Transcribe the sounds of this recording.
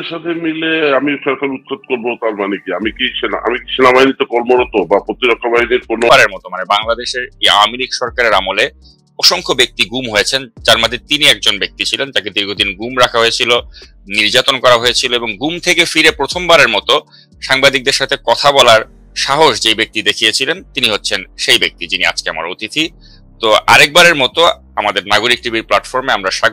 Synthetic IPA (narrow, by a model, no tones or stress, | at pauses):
ʃat̪ʰemileamiʃɔɾkaɾut̪̚kʰat̪̚koɾbot̪aɾmanekiamikiʃenaa̰mikiʃenabaɦinit̪okɔɾmoɾot̪obapɾot̪iɾɔkʰːabaɦiniɾkonaɾeɾmɔt̪omanebaŋlad̪eʃeɾeja̰wmilikʃɔɾkaɾeɾamole | ɔʃoŋkʰobek̚t̪iɡumɦojet͡ɕʰend͡ʑaɾmad̪ʱet̪iniɛk̚d͡ʑonbek̚t̪it͡ɕʰilent̪aked̪iɾɡʱod̪inɡumɾakʰaɦojet͡ɕʰilo | niɾd͡ʑat̪onkɔɾaɦojet͡ɕʰiloeboŋɡumt̪ʰekefiɾepɾot̪ʰombaɾeɾmɔt̪o | ʃaŋbad̪ik̚d̪eɾʃat̪ʰekɔt̪ʰabɔlaɾ | ʃaɦoʃd͡ʑejbek̚t̪id̪ekʰijet͡ɕʰilent̪iniɦotːɕʰenʃejbek̚t̪id͡ʑinia̰d͡ʑkea̰ma̰ɾot̪it̪ʰi | t̪oʔa̰ɾɛk̚baɾeɾmɔt̪o | amad̪eɾnaɡoɾik̚ʈɾibiɾplaʈfoɾmeamɾaʃa